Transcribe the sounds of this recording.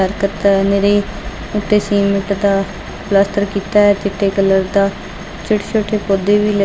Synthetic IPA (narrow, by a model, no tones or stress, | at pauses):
əɾkət̪neːɾeː | ʊʈːeːsiːmɪʈd̪aː | plaːsʈəɾkiːt̪aːɛːt̪ɪʈʰːeːkələɾd̪aː | t͡ʃɪʈt͡ʃʰoːʈʰːeːpoːd̪eːʋiːlə